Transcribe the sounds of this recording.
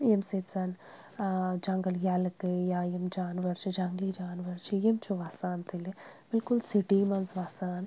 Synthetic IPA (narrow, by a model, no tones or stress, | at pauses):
jemseːsan | d͡ʒaŋɡɐljaːlɐkɨjaːjimd͡ʒaːnʋɐɾt͡ʃid͡ʒaŋɡlid͡ʒaːnʋɐɾt͡ʃʰijimt͡ʃʰuʋaːsaːnt̪ʰilib̥ɪlkulsiʈiːmɐnsʋaːsaːn